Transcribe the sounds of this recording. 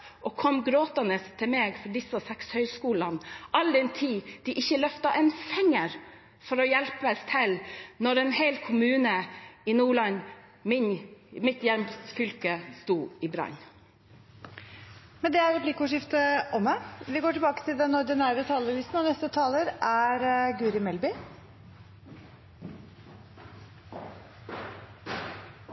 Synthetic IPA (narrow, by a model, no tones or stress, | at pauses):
ʔɔkʰɔmɡɾoːt̪ɑnəst̪ʰɪlmeːɡfɔɖ̪ɪsɑsɛkshœʏskuːlɑnɑld̪ɛnt̪ʰiːd̪̥ɪʔɪçːəlœft̪ɑʔɛnfɛŋːəɾ | fɔɾɔjɛlpəst̪ʰɛlnɔɾɛnhɛɪlkʰʊmʉːnəɪnuːɭɑn | mɪnmɪt̪jɛmsfʏlkəst̪uːɪbɾɑ̰n | mɛnd̪ɛæɾɛplɪkəʊʂɪft̪əʔɔmːəʋɪɡoːʈɪlbɑːkə̥t̪ʰɪld̪ɛnːɔd̪ɪnæːɾət̪ʰɑːləlɪst̪nɔnɛst̪ət̪ʰɑːləɾʔæɾɡʉːɾɪmɛlbɪ